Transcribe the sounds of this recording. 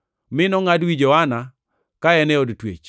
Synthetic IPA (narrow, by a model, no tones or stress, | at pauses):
mɪnɔŋadwid͡ʒɔana | kaɛnɛodtwḛt͡ʃ